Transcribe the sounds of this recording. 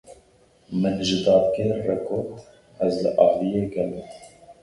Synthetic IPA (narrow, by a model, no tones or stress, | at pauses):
mɨnʒɨd̪ɑːd̪keːɾːɛkʰoːɾt̪ | ɛzlɨ̰ʔɑːvijeːɡɛlɛ